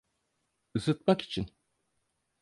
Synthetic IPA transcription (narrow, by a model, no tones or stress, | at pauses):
ɯsɯt̪̚maki̥t͡ʃʰin